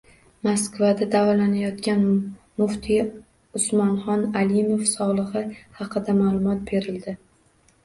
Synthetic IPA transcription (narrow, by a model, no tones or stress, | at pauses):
maskvad̪ad̪avɒlanajɒt̪kʲan | mʊht̪ʰɪ | ʊsmɒnχɒnalimofsɒʁlˠɨhɨhɑqʰɨd̪amalˠʊmɒt̪̚be̞ɾɪld̪ɪ